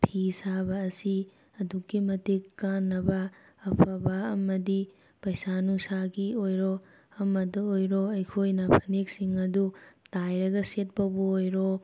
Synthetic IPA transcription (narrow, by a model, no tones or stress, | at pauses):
pʰisabɐːsi | ɐdukːimɐtikːanːɐbɐː | pʰɐbɐɐmɐdi | pɐjsanusaɡiojɾo | ɐmɐdɐojɾoɐjkʰojnɐpʰɐnek̚siŋɐdutajɾɐɡɐset̚pɐbuojɾo